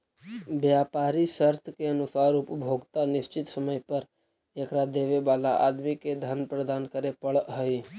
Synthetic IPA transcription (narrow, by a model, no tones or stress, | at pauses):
bjaːpaːɾisəɾt̪ʰkeənʊsaːɾʊpəbʱoːɡt̪anɪst͡ʃɪt̪səməjpəɾ | ekɾad̪eʋebaːla̰ʔad̪miked̪ʱənpɾəd̪aːnkəɾepəɭɦəi